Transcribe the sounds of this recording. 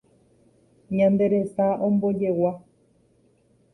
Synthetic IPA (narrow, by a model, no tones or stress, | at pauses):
ɲãnd̪e̞ɾesaʔõmbod͡ʒewa